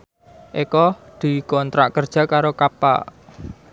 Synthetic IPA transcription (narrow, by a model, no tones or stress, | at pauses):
ʔekɔd̪̥i̤kɔnt̪ɾaʔkərd̥ʒ̥a̤kaɾokapa̰ʔ